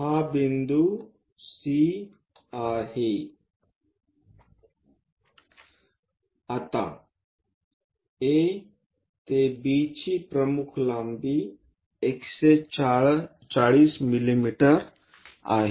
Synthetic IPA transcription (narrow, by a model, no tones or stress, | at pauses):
ɦabind̪u | si | aːɦe | ɐt̪a̰ | e | t̪ebiːt͡ʃipɾɐmukʰlambi | ekse | t͡ʃaɭiːsmilimiʈəɾ | a̰ːɦe